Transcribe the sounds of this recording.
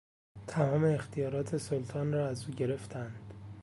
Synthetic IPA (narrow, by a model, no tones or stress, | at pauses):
t̪ʰæmɒːme̞ːxt̪ʰijɒːɾɒːt̪ʰe̞solt̪ʰɒːnrɒːæzuːɟe̞ɾe̞ft̪ʰænd̪̥